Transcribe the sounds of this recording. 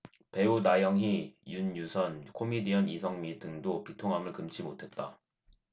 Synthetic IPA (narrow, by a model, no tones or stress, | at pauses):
pe̞unajʌŋɦijunjusʰʌnkʰomidijʌnisʰʌŋmidʰɯŋdopitʰoŋɦamɯɭkɯmt͡ɕʰimotʰe̞t̚t͈a̰